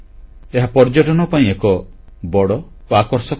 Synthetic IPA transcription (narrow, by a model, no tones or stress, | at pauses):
eɦapɔɾd͡ʒɔʈɔnɔpaĩekɔ | bɔɽɔ | oakɔɾsɔk